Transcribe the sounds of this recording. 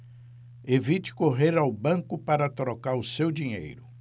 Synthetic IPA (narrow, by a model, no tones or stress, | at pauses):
evit͡ʃɪ̥koɦeɾawbɐ̃kʊpaɾɐt̪ɾokaɾʊsewd͡ʒiɲḛjɾʊ